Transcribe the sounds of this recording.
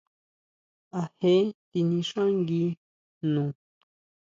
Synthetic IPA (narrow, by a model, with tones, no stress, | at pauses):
a˨he˦t̪i˧nĩ˧ʃã˦ŋɡi˧˦ | nũ˨